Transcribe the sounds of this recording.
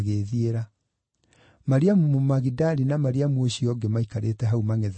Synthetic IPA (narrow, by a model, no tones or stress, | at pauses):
ɣeðieɾa | maɾiamumomaɣidaɾinamaɾiamwoɕiɔɡemaikaɾetɛɦaumaŋɛð